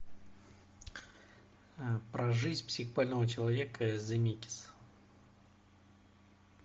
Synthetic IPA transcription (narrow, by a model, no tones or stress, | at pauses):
pɾɐʐɨzʲpsʲɪxbalʲnəvət͡ɕɪlˠɐvʲekəzɐmʲikʲɪ̥s